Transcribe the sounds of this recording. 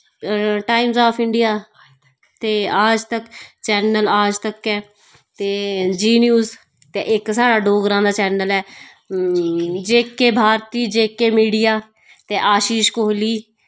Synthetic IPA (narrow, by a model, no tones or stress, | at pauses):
ʈaːɪmzaːpʰɪɳɖɪjaː | t̪eːaːd͡ʒt̪əkt͡ʃɛːnəlaːd͡ʒt̪əkɛː | t̪eːd͡ʒiːnjuːs | t̪ḛʔɪksaːɽaːɖoːɡɾãːd̪aːt͡ʃɛːnəlɛː | d͡ʒeːkːeːbʱaːɾt̪iːd͡ʒeːkeːmiːɖɪjaː | t̪eːʔaːʃiːʃkoːɦliː